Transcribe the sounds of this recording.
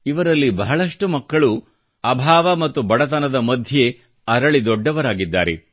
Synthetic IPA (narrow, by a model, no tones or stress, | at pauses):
iʋɐɾɐlːibɐɦɐɭɐʂʈumɐkːɐɭu | ɐbʱaːʋɐmɐt̪ːubɐɽɐt̪ɐnɐd̪ɐmɐd̪ʱje | ɐɾɐɭid̪ɔɖːɐʋɐɾaːɡid̪ːaːɾe